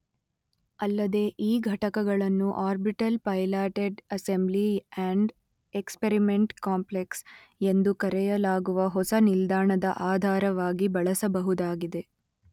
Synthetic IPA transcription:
ɐlːɐd̪e̞ʔiːɡʱɐʈɐkɐɡɐɭɐnːuʔaːɾbiʈɐlpɐjlaːʈeɖɐsembliaɳɖ | ekspeɾimeɳʈkaːmpleks | e̞nd̪ukɐɾɛjɐlaːɡuʋɐɦɔsɐnild̪aːɳɐd̪ɐʔaːd̪ʱaːɾɐʋaːɡibɐɭɐsɐbɐɦud̪aːɡid̪e

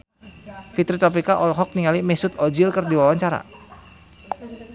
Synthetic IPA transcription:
fit̪ɾit̪ɔp̬ikaʔɔlɦɔk̚niŋalimɛsʊt̪ɔd͡ʒilkɨrdiwawaɲt͡ʃaɾa̰

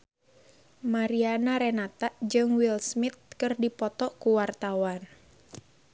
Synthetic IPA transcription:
maɾianaɾɛnat̪ad͡ʒɨŋwilsmit̪̚kɨrdipɔt̪ɔkuwart̪awan

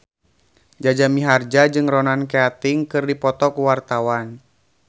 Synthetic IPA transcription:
d͡ʒad͡ʒamiɦard͡ʒad͡ʒɨŋrɔnankeat̪ɪŋkɨrdipɔt̪ɔkuwart̪awan

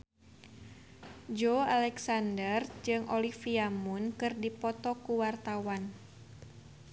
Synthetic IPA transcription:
d͡ʒoalɛksandərd͡ʒɨŋʔolifiamunkɨrdipɔt̪ɔkuwart̪awan

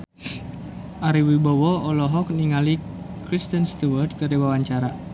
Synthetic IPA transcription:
ʔaɾiwibɔwɔɔlɔɦɔk̚niŋali | kɾist̪ənst̪uwərd̪̚kərdiwawaɲt͡ʃaɾa

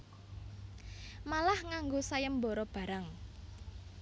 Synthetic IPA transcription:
malahŋaŋɡosajəmboɾɔb̥ä̤ɾaŋ

